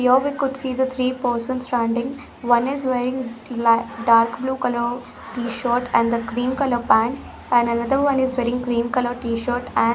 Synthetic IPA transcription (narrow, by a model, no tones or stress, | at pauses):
joːʋiːkʊɖsiːd̪ət̪ʰɾiːpəːɾsə̃nsːʈãːɳɖɪ̃ŋɡ | ʋɐ̃nɪzʋeːɾɪ̃ŋlɖaːɾkbluːkɐlo | ʈiːʃoːɾʈɛ̃ɳɖd̪əkɾiːmkɐloːpæ̃ːɳʈ | æ̃ɳɖɐnɐd̪əɾʋɐ̃nizʋeːɾɪ̃ŋɡkɾiːmkɐloʈiːʃəːɾʈɛ̃